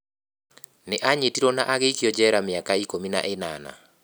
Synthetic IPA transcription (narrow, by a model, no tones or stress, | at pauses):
neʔaɲetiɾɔnaʔaɣeikijɔd͡ʒɛɾamɪakaikomina̰ʔena̰na̰